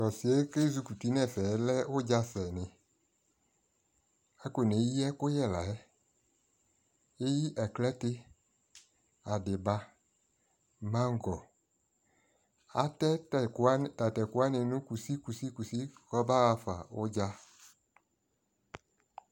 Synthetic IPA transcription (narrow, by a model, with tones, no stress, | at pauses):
tɔ˨si˨e˦ke˦zu˨˧ku˨ti˦nɛ̃˦˨fɛ˨˦lɛ˦ʊ˦d͡ʒa˦sɛ˨nɪ˨ | ɛ˦ko˨ne˨˦i˦ɛ˦kʊ˦jɛ˦˨la˨ɛ˦ | e˦ji˦ʔɛ˨klɛ˦tɪ˦ | a˨dɪ˨ba˦ | mã˦ŋ˦ɡɔ˨ | a̰˦tɛ˦˨˦ | ta˨tɛ˨ku˦a˦nɪ˨nʊ̃˦ku˨si˦ku˨si˦ku˨si˦xɔ˦ba˦ɣa˨fa̰˨ʊ˦d͡ʒa˦